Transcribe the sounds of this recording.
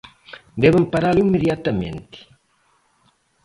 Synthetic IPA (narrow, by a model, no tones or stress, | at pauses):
d̪ɛβampaɾalimeðjat̪ɐmḛ̃nt̪ɪ̥